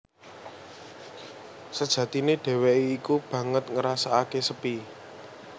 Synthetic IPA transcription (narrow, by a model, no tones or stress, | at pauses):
səd̥ʒ̥ä̤t̪ineɖ̥ɛ̤weiːkub̥ä̤ŋət̪̚ŋəɾasaakesəpi